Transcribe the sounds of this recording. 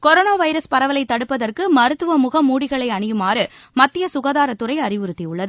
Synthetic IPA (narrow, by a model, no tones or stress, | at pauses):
kɔɾoːnaːʋɐɪɾɐspɐɾɐʋɐlɐɪt̪ːɐɽɯpːɐðɐrkɯmɐɾɯt̪ːɯʋɐmʊɣɐmuːɽɪɣɐɭɐɪɐɳɪjɯmaːɾɯ | mɐt̪ːɪjɐsʊɣaːðaːɾɐt̪ːɯrɐɪɐrɪʋɯɾɯt̪ːiʊɭːɐðɯ